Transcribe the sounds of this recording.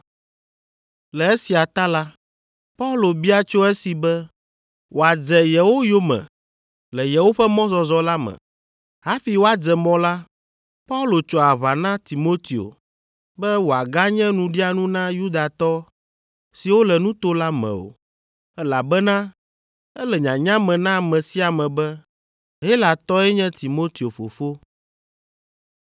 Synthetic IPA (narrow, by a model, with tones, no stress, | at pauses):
lɛ˨ɛ˦si˨a˨t̪a˦la˦ | pa˦u˦lo˨bi˦a˦t͡ʃo˦ɛ˦si˨bɛ˦ | wʔo˨a˨d͡ʒɛ˨jɛ˨wo˦jo˦mɛ̰̃˨ | lɛ˨jɛ˨wo˦ɸɛ˦mɔ̃˦zɔ˨zɔ˦la˦mɛ̰̃˨ | ɦa˦fi˨wo˦a˨d͡zɛ˨mɔ̃˨la˦ | pa˦u˦lo˨t͡ʃɔ˨a˨βa˨nã˦t̪i˨mo˦t̪i˨o̰˨ | bɛ˦wo˨a˨ɡa˦ɲɛ̃˦nũ˨ɖi˦a˦nũ˦nã˦ju˦d̪a˨t̪ɔ˦ | si˨wo˦lɛ˨nũ˦t̪o˦la˦mɛ̰̃˨o̰˨ | ɛ˦la˨bɛ˦nã˦ | ɛ˦lɛ˨ɲã˨ɲã˦mɛ̃˨nã˦˨mɛ̃˨si˦a˨mɛ̃˨bɛ˦ | ɦe˦la˨t̪ɔ˦ɛ˦ɲɛ̃˦t̪i˨mo˦t̪i˨o˨fo̰˨fo˦